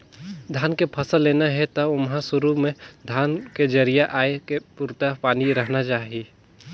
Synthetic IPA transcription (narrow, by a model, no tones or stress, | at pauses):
d̪ʱaːnkepʰɐsəlːeːnaɦɛt̪əʊmɦãsʊɾumẽd̪ʱaːnked͡ʒəɾijaʔaːekepuɾt̪apaːniɾəɦnat͡ʃaːɦii